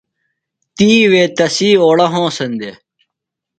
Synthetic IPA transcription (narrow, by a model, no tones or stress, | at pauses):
t̪iːweːt̪ɐsiːoːɽɐɦõːsɐnd̪e